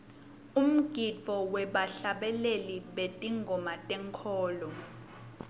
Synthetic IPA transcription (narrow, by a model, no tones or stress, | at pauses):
um̩ɡ̥ʱifɔwɛɓaɬaɓɛleliɓetʼiŋɡʱɔmatʼɛŋkʰɔːlɔ